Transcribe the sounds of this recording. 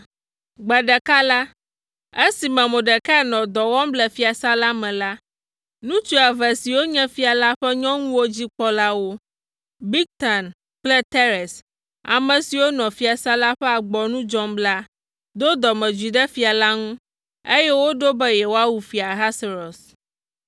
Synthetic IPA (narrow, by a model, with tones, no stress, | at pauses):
ɡ͡bɛ˨ɖɛ˨ka˦la˦ | e˦si˨mɛ̃˨mõ˨ɖɛ˨kɛ˦˨nɔ̃˨d̪ɔ˨wɔ̃˦mblɛ˨fi˦a˨sa˦la˦mɛ̃˨la˦ | nũ˦t͡ʃu˦a˨vɛ˨si˨wo˦ɲɛ̃˦fi˦a˨la˦ɸɛ˦ɲɔ̃˦ŋũ˦wo˦d͡ʑi˦k͡pɔ˦la˦wo˦ | bi˦k̚t̪a˨n | k͡plɛ˦t̪ɛ˦ɾɛ˨s | a̰˨mɛ̃˨si˨wo˦nɔ̃˨fi˦a˨sa˦la˦ɸɛ˦a˨ɡ͡bɔ˨nũ˦d͡ʒɔ˦mbla˦ | d̪o˦d̪ɔ˨mɛ̃˨d͡ʒwi˨ɖɛ˦fi˨a˨la˦ŋũ˦ | e˦jɛ˦wo˦ɖo˦bɛ˦jɛ˨wo˦a˦wu˨fi˨a˨ɦa˦se˨ɾɔ˨s